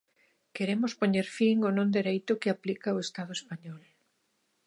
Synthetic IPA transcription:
keɾemʊspoɲeɾfiŋonõnd̪eɾejt̪ʊkɪaplikaoest̪að̞ʊespaɲɔl

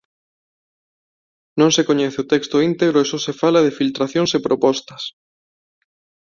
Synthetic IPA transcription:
nõŋsekoɲɛθɪot̪ɛkst̪oint̪eɣɾoesɔsefalɐð̞efilt̪ɾaθjoŋsepɾopɔst̪ɐs

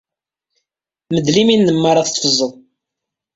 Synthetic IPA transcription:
məd̪liminːəmːəɾˤɑθə̥t̪ːˤfəzˤːəlˤ

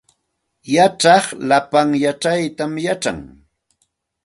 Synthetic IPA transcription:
jaʈ͡ʂɑχlapaŋjaʈ͡ʂajt̪amjaʈ͡ʂa̰ŋ

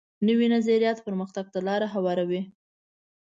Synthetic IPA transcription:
nəwinazaɾijɑt̪pəɾməxt̪aɡ̚t̪alɑɾaɦawɑɾawi

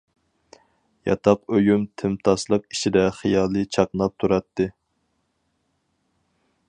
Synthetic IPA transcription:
jɑ̰t̪ʰɑqøjymt̪ʰɪmt̪ʰɑslˠəqiʃid̪ɛχijɑːlˠɨt͡ʃʰɑqnɑp̚t̪ʰuɾɑt̪ʰːɨ

